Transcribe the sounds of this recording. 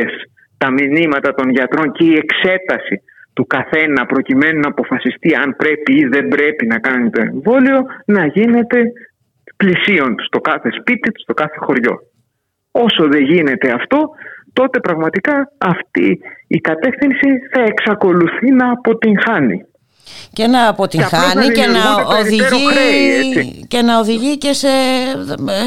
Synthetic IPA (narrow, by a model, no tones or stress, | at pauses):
es | t̪ɐminimɐt̪ɐt̪o̞nʝɐt̪ɾo̞nce̞ie̞kse̞t̪ɐsi | t̪ukɐθe̞nɐpɾo̞cime̞nunɐːpo̞fɐsist̪iɐmpɾe̞piiðe̞mbɾe̞pinɐkɐnit̪o̞e̞̰ɱvo̞lio̞nɐʝine̞t̪e̞ | plisio̞nt̪u̥st̪o̞kɐθe̞spit̪it̪u̥st̪o̞kɐθe̞xo̞ɾʝo̞̰ | o̞so̞ðe̞ʝine̞t̪e̞ɐft̪o̞t̪o̞t̪e̞pɾɐɣmɐt̪ikɐːft̪iikɐt̪e̞fθinsiθɐe̞ksɐko̞luθinɐːpo̞t̪iŋxɐnḭ | ce̞nɐːpot̪iɐxɐnicenɐoðioikɾeesice̞nɐoðiʝice̞se